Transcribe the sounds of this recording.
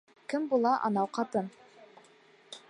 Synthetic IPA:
kɘmbulˠɑʔɑ̰nɑwqɑt̪ɤn

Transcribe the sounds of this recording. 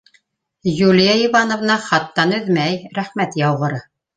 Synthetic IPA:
julʲjaivɑnŏvnɑχɑt̪ːɑnɵðmæjɾæχmæt̪jɑwʁɤ̆ɾɤ

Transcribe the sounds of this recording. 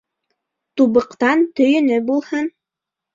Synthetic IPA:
t̪uβɤ̆qt̪ɑnt̪ɵ̆jɵ̆nɵbulˠhɤn

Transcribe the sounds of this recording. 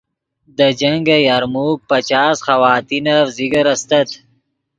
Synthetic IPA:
d̪əd͡ʒɐŋɡajaɾmuːk̚pɐt͡ʃaːsxɐwaːt̪inafziɡɐɾɐst̪ɐt̪

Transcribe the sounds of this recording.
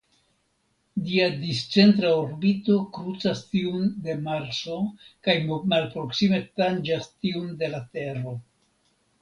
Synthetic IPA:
diadist͡se̞ntɾaoɾbito̞kɾut͡sastiunde̞maɾt͡so̞kajmmalpɾo̞ksime̞tand͡ʒastiunde̞late̞ro̞

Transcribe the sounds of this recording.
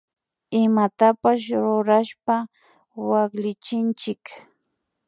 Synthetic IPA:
ɪmat̪apaʃ̬ɾʊɾaʃpa | wakʎɪt͡ʃɪnt͡ʃɪk

